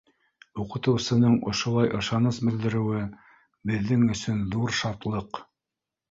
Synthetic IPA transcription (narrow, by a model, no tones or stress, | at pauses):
uqɤ̆t̪ɤ̆wsɤ̆nɤɴŏ̰ʃŏlˠɑjʔɤ̆ʃɑnɤsbɘ̆ld̪ɘ̆ɾɘ̆wɘ | bɘ̆ðːɘŋɵ̆sɵnðuɾʃɑt̪lˠɤq